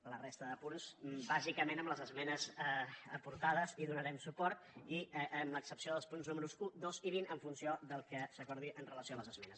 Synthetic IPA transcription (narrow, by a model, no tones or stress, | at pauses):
lərest̪əðəpunsbazikəmenəmləzəzmɛnəzəpuɾt̪aðəziðunəɾɛmsupɔɾt̪iʔəmləksəpsioðəlˠspunznuməɾuzud̪oziβinəɱfunsiod̪əlˠkəsəkɔɾðiʔənrələsioələzəzmɛnəs